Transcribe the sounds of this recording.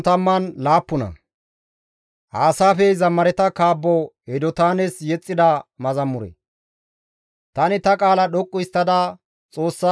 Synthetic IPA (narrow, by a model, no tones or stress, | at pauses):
t̪ɐmːɐnlaːpːʊnɐ̰ | haːsaːfɛzɐmːɐɾɛt̪ɐkaːbːɔ | ɛd̪ɔt̪aːnɛsjɛt͡sʼːɪd̪ɐmɐzɐmːʊɾɛ̰ | t̪ɐnɪt̪ɐkʼaːlɐɗɔkʼːʊɪst̪ːɐd̪aː | t͡sʼo̞ːsːa